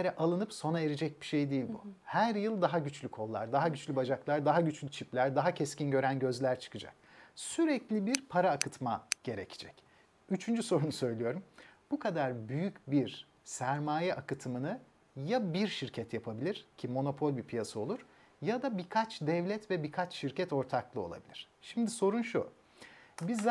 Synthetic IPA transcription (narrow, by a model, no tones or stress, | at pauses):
eɾɛʔalˠɯnɯpso̞naeɾed͡ʒɛc̚biʃejd̪ijilʲbṵhæɾjɯlˠd̪aɦaɟyt͡ʃlʲykʰo̞lˠːa̰ɾd̪aɦaɟyt͡ʃlʲybad͡ʒaklˠaɾd̪aɦaɟyt͡ʃlʲyt͡ʃʰiplʲæɾd̪aɦacʰɛscinɟø̞ɾænɟø̞zlʲæɾt͡ʃʰɯ̥kʰɯd͡ʒa̰k̚syɾɛclʲibiɾpʰaɾaːkɯt̪maɟ̥e̞ɾecʰi̥d͡ʒɛc | yt͡ʃʰynd͡ʒyso̞ɾunusø̞jlʲijo̞ɾumb̥ukʰad̪aɾbyjycbiɾ | sæɾmaːjɛʔakɯt̪ʰɯmɯnɯ | jabiɾʃiɾcʰɛt̪japʰabilʲiɾ̥cʰimo̞no̞pʰo̞lʲbipʰijasao̞lˠuɾ̥ | jad̪abikʰat͡ʃd̪ɛvlʲɛt̪vɛbikʰat͡ʃʃiɾcʰɛt̪o̞ɾt̪ʰaklˠɯo̞̰lˠa̰bḭlʲiɾ̥ʃimd̪iso̞ɾunʃu | biz